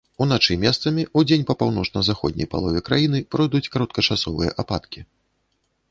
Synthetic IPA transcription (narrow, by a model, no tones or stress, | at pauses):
unat͡ʂɨjmʲɛst̪sɐmʲiud͡zʲenʲpɐpawnɔt͡ʂnɐzaxɔ̰d̪ʲnʲɐ̰jpa̰lˠɔvʲɛkɾajinɨpɾɔjd̪ut͡sʲkaɾɐt̪̚kɐt͡ʂasɔvɨjɐ̰ʔapat̪kʲi